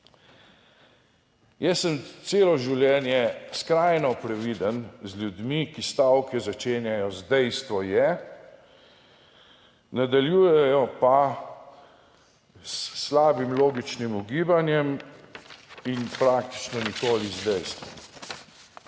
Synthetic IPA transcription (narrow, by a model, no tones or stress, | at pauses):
jɛsːəmt̪seːlɔʒiwljɛːnjɛskɾajnɔpɾɛʋiːd̪ənzlʲjud̪mikist̪awkɛzat͡ʃeːnjajɔzd̪ɛjst̪ʋɔjɛ | nad̪aljuːjɛjɔpa | slaːbimloːɡit͡ʃnimuɡiːbanjɛm | inpɾaːk̚t̪i̥t͡ʃnɔnikoːlizd̪ɛjst̪ʋɔ̰m